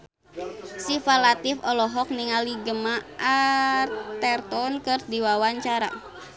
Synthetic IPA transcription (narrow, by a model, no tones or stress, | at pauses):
sifalat̪ɪfɔlɔɦɔk̚niŋaliɡəmaʔa | t̪ɛrt̪ɔnkɨrdiwawaɲt͡ʃaɾa̰